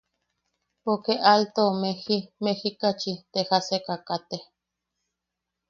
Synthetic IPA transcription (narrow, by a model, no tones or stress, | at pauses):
okeʔalt̪omehimehikat͡ʃit̪ehasekakat̪e